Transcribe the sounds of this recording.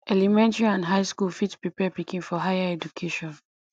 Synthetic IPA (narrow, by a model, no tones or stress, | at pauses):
ʔɛlimɛ̃ntəɹiãndɦaɪskulfitspɹipɛpikĩnfɔɦajaɛd͡ʒukʰeʃɔ̃n